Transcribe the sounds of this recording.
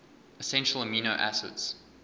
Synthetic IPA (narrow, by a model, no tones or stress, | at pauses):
əsɛ̃nʃəlˠəminoʊʔæ̰sə̰ts